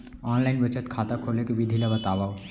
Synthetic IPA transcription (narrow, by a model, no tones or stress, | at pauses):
ɔːnlaɪnbət͡ʃət̪kʰaːt̪akʰoːlekebid̪ʱilabət̪aːbaː